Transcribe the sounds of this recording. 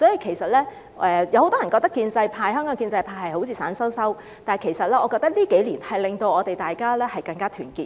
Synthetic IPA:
sɔː˨˥ji˨kʰe˨˩jsɐ˨t̚lɛː˥ | ɛ˧jwho˧˦t̪ɔː˥jɐ˨˩nkɔː˧k̚t̪ɐ˥kiː˧nt͡sɐ˧jpʰaː˧jhœː˥ŋkɔː˨˥ŋkiː˧nt͡sɐ˧jpʰaː˧jhɐ˨jho˨˥wt͡sʰiː˧saː˨˥nsɐ˥wsɐ˥w | t̪aː˨˩kʰe˨˩jsɐ˨t̚lɛː˥ɔ˨˧kɔː˧k̚t̪ɐ˥k̚liː˥ke˨˥jliː˨˩nhɐ˨jlɪ˨ŋt̪o˧wɔː˨˧t̪e˨jt̪aː˨jkaː˥lɛː˥hɐ˨jkɐ˧ŋkaː˥t̪ʰyː˨˩nkiː˧˩

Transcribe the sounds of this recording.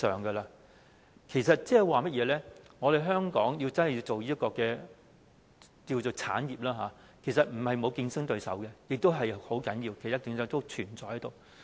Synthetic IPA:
œː˨ŋɡɛ˧laː˧ | kʰe˨˩jsɐ˨t̚t͡sɛː˥˨˩waː˨˩mɐ˥t̚jɛː˨˧lɛː˥ŋɔː˨˧ɾe˨jɦœː˥ŋkɔ̰ː˨˥ŋji˧wt͡sɐ˥nhji˧t͡so˨wjiː˥kɔː˧kɛː˧ | kiː˧wt͡so˨wt͡sʰa̰ː˨˥njiː˨p̚laː˥ɦaː˨˦ | kʰe˨˩js̬ɐ˨t̚m̩˨˩hɐ˨jmo˨˧wki˧nsɪ˥ŋt̪ɵ˧ɥsɐ̰˨˥wkɛ˧jɪ˨k̚t̪o˥wɦɐ˨jho˨˥wkɐ˨˥njiː˧wkʰe˨˩jt̪aː˥t̪ɪ˨˧ŋsœː˨˧˥t̪o˥wt͡ʃʰyː˨˩nt͡sɔː˧jhɐ˨˥jt̪o˨w

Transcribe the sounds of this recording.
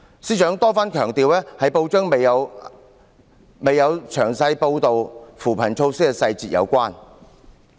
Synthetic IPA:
siː˥t͡ʃœː˨˥ŋt̪ɔː˥faː˥nkʰœː˨˩ŋt̪iː˨wlɛː˥hɐ˨˥jpo˧wt͡ʃœː˥ŋme˨jɐ˨˧w | me˨jɐ˨˧wt͡ʃʰœː˨˩ŋsɐ˧jpo˧wt̪o˨wfuː˨˩pʰɐ˨˩nt͡ʃʰo˧wsɪ˥kːɛ˧sɐ˧jt͡siː˨t̚jɐ̰˨˧wkʷaː˥n

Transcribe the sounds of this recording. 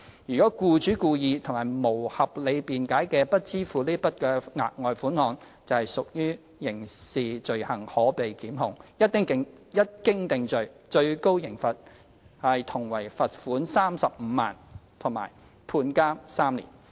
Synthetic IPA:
jyː˨kɔː˨˥kuː˧t͡ʃyː˨˥kuː˧jiː˨˧t̪ʰʊ˨˩ŋmaː˨˩jmo˨˩whɐ˨p̚le˨˧jpiː˨nkaː˨˥jkɛː˧pɐ˥t̚t͡siː˥fuː˨liː˥pɐ˥t̚kɛː˧ŋa̰ː˨t̚ŋɔː˨jfuː˨˥nhɔː˨˧ŋ | t͡sɐ˨whɐ˨jsʊ˨k̚jyː˥ | jɪ˨˩ŋsiː˨t͡ʃɵ˨˧ɥhɐ˨˩ŋhɔː˨˥pe˨jkiː˨˥mɦʊ̰˨˧ŋjɐ˥t̪̚ːɪ˥ŋkɪ˨˧ŋ | jɐ˥t̚kɪ˥ŋt̪ɪ˨ŋt͡ʃɵ˨ɥt͡ʃɵ˧ɥko˥wjɪ˨˩ŋfɐ˨t̚ | hɐ˨jt̪ʰʊ˨˩ŋwɐ˨˩jfɐ˨t̚fuː˨˥nsaː˥msɐ˨p̚m̩ː˨˧maː˨˩nt̪ʰʊ˨˩ŋma̰ː˨˩j | pʰuː˧nkaː˥msaː˥mlḭː˨˩n

